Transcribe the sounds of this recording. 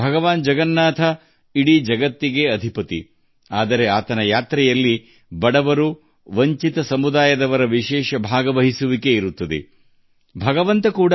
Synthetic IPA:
bʱɐɡɐʋaːnd͡ʒɐɡɐnːaːt̪ʰɐ | iɽid͡ʒɐɡɐt̪ːiɡe̞ɐd̪ʱipɐt̪ḭ | aːd̪ɐɾe̞aːt̪ɐnɐjaːt̪ɾɛjɐlːi | bɐɽɐʋɐɾu | ʋɐɲt͡ʃit̪ɐsɐmud̪aːjɐd̪ɐʋɐɾɐʋiʃɛːʃɐbʱaːɡɐʋɐɦisuʋike̞iɾut̪ːɐd̪ḛ | bʱɐɡɐʋɐnt̪ɐkuːɽɐ

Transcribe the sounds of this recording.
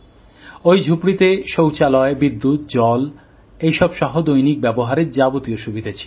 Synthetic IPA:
ojd͡ʑʱupɽit̪eʃowt͡ɕalɔebid̪ːut̪d͡ʑɔl | ejʃɔbʃɔɦod̪ojnik̚bɛboɦaɾeɾd͡ʑabot̪ioʃubʱid̪ʱat͡ɕʰi̥

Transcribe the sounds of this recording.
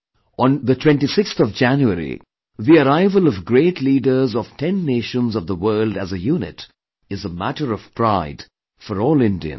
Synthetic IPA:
ə̃nðətʰwɛ̃nʈisɪkst̪ɔvd͡ʒæ̃njuəɾḭ | ðiəɾaɪvəlɔvɡɾeːʈliːɖə˞zɔv̥tʰɛ̃nːeːʃə̃nzʌvðəwɜːldæzəjuːnɪ̰t | ɨzəmæ̰ʈəɾʌv̥pɾaɪd̥ | fɔɾɔːlɪ̃ndḭɨ̰̃n

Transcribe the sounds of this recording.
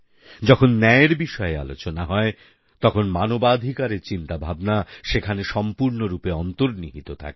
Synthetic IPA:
d͡ʑɔkʰonːɛeɾbiʃɔea̰lo̰t͡ɕonaɦɔe | t̪ɔkʰonmanobad̪ʱikaɾeɾt͡ɕint̪abʱabnaʃekʰaneʃɔmpuɾnoɾupeɔnt̪oɾniɦit̪ot̪ʰa̰ke

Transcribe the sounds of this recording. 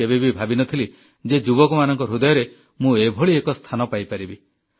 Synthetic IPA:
ebebibʱabinɔt̪ʰili | d͡ʒed͡ʒubɔkumanɔŋkɔɾud̪ɔjɔɾe | mũebʱoɭiekɔst̪ʰanɔpajpaɾibi

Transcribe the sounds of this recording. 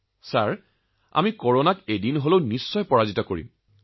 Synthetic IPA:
saɹ | a̰mikɔɹonakejdinɦolownisːɔjpɔɹazitɔkoɹḭm

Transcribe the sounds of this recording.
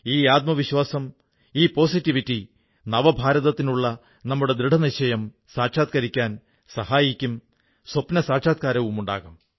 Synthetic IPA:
iːaːt̪̚mɐʋiɕwaːsɐm | iːpo̞ːsitːiʋitːi | nɐʋɐbʱaːɾɐðɐt̪ːinuɭːɐ | nɐmːuɽe̞d̪ɾiɖʱɐniɕɐjɐm | saːʈʂaːt̪̚kɐɾikʲːaːn | sɐhaːjikʲːum | swɐpnɐsaːʈʂaːt̪̚kaːɾɐʋumuɳɖa̰ːɣum

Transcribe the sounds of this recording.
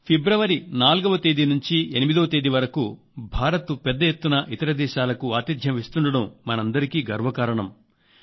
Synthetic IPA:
pʰebɾɐʋɐɾinaːlɡɐʋɐt̪eːd̪inuɲt͡ʃienimid̪ɐʋɐt̪eːd̪iʋɐɾɐku | bʱaːɾɐt̪upɛd̪ːɐjet̪ːunɐʔit̪ɐɾɐd̪ɛːʃaːlɐkuaːt̪id̪ʱjɐmest̪uɳɖɐɽɐmːɐnɐnd̪ɐɾikiːɡɐɾʋɐkaːɾɐɳɐm

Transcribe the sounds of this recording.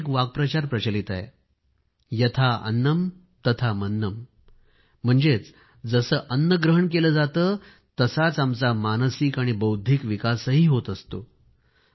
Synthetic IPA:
kʋaɡ̚pɾət͡ɕaɾpɾət͡ɕəlit̪a̰j | jət̪ʰaə̰nːəm | t̪ət̪ʰamənːəm | m̤əɳd͡zet͡s | d͡zəsəːʔənːəɡɾəɦəɳkeləd͡zat̪əː | t̪əsat͡samt͡samansikaɽ̃ibəwd̪ʱikʋikasəɦiːɦot̪əst̪o

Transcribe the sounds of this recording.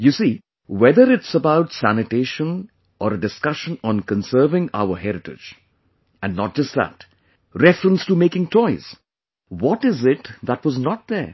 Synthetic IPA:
jusiː | wɛd̪əɾɪʈsəbaʊʈsænɪʈeɪʃə̃n | ʔɔɾəɖɪskʌʃə̃nɔ̃nkə̃nsɜːvɪ̃ŋa̰ʊəɦɛɾɪʈɪ̰d͡ʒ | æ̃nːɔt̚d͡ʒʌst̚ðæ̰t | ɾɛfɾə̃nstumeːkɪ̃ŋtʰɔɪz̥ | wɔʈɪzɪʈðætwɔznɔt̚d̪ə

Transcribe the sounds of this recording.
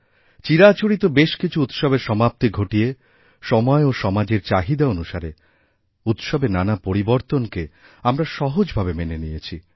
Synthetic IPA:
t͡ɕiɾat͡ɕoɽit̪obeʃkit͡ɕʰuut̪ʃɔbeɾʃɔmap̚t̪iɡʱoʈije | ʃɔmɔeoʃɔmad͡ʑeɾt͡ɕaɦid̪aonuʃaɾe | ut̪ʃɔbenanapoɾiboɾt̪onke | amɾaʃɔɦod͡ʑbʱabemenenijet͡ɕʰi

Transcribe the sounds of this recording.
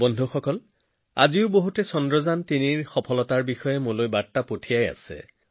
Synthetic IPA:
bɔndʱuxɔkɔl | a̰ziʊboɦutɛsɔndɹɔzantiniɹxɔpʰɔlɔtaɹbixɔjɛmolojbatːapotʰijaja̰sɛ̰

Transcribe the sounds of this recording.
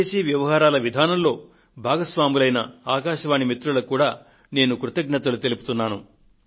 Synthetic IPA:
eːsiʋjɐʋɐɦaːɾaːlɐʋid̪ʱaːnɐmlo̞ː | bʱaːɡɐsʋaːmulɐjnɐaːkaːʃɐʋaːɳimit̪ɾulɐkuːɽaː | ne̞ːnukɾut̪ɐɡnɐt̪ɐlut̪e̞lupu̥t̪unːaːnu

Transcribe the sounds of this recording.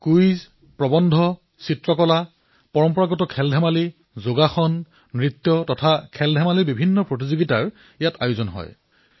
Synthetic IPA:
kujz | pɹɔbɔndʱɔ | sitɹɔkɔla | pɔɹɔmpɔɹaɡɔtɔkʰɛldʱɛmali | zoɡaxɔnː | ɹit̪jɔtɔtʰakʰɛldʱɛmalibibʱinːɔpɹot̬izoɡitaɹ | jatajʊzɔnɦɔ̰j

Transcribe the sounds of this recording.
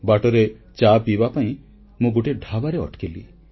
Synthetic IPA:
baʈɔɾet͡ʃapibapaĩ | mũɡuʈeɖʱabaɾeɔ̰ʈkili

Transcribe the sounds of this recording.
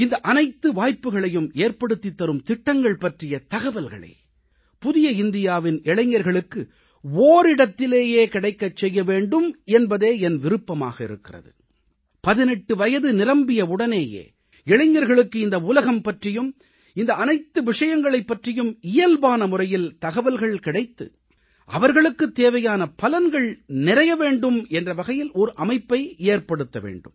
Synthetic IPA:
ɪnd̪ɐʔɐnɐɪt̪ːɯʋaːjpːɯɣɐɭɐjɯmeːɾpɐɽɯt̪ːit̪ːɐɾɯmt̪ɪʈːɐŋɡɐɭpɐʈrɪjɐt̪ɐɣɐʋɐlɣɐ̰ɭḛː | pʊðɪjɐɪnd̪ɪjaːʋɪnɛɭɐɲːɐɾɣɐɭɯkːɯ | oːɾɪɽɐt̪ːɪleːjeːkɪɽɐɪkːɐt͡ʃːɛjːɐʋeːɳɖɯmɛnbɐðeːɛnʋɪɾɯpːɐma̰ːɣɐɪ̰ɾɯkːɪrɐ̰ðɯ̰ | pɐðɪnɛʈːɯʋɐjɐðɯnɪrɐmbɪjɐʊɽɐneːjḛː | ɛɭɐɲːɐɾɣɐɭɯkːɯɪnd̪ɐuːlɐɣɐmpɐʈrɪjɯm | ɪnd̪ɐːnɐɪt̪ːɯʋɪʂɐjɐŋɡɐɭɐɪpːɐʈrɪjɯmɪjɐlbaːnɐmʊrɐjɪlt̪ɐɣɐʋɐlɣɐɭkɪɽɐɪt̪ːɯ̰ | ʔɐʋɐɾɣɐɭɯkːɯt̪ːeːʋɐjaːnɐpɐlɐnɡɐɭnɪrɐjɐʋeːɳɖɯmɛndrɐʋɐɣɐjɪlɔɾɯʔɐmɐɪpːɐɪeːɾpɐɽɯt̪ːɐʋḛːɳɖɯ̰m

